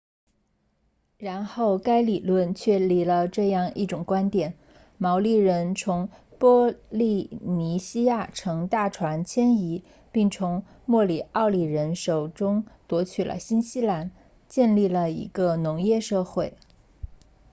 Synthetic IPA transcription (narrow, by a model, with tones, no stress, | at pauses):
ɻa˧˥nxo˥˩ʊka˥ɪli˨˩lwə˥˧nt͡ɕʰɥɛ˥˩li˧˥lə˧ʈ͡ʂɤ˥˧jɑ˥˧ŋi˥˩ʈ͡ʂʊ˨˩ŋkwa˥nt̪jɛ˨˩˦n | mɑ˧˥ʊli˥˩ɻə˧˥nt͡sʰʊ˧˥ŋpwɔ˥li˥˩ni˧˥ɕi˥ja˥˩ʈ͡ʂʰɤ˧˥ŋt̪a˥˩ʈ͡ʂʰwa˧˥nt͡ɕʰjɛ˥ni˧˥ | pi˥˩ŋt͡sʰʊ˧˥ŋ | mwɔ˥˩li˨˩ʔɑ˥˩ʊli˨˩ɻə˧˥nʂo˨˩ʊʈ͡ʂʊ˥ŋt̪wɔ˧˥t͡ɕʰy˨˩lʔə̰˦ɕi˥nɕi˥la˧˥n | t͡ɕjɛ˥˧nli˥˩lə˩ḭ˧˥ɡə˧nʊ˧˥ŋjɛ˥˧ʂɤ˥˧xwe˥˩ɪ